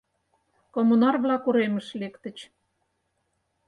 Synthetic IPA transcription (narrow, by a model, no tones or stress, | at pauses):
komunɑrβlɑkuɾemə̆ʃlekt̪ə̆t͡ɕ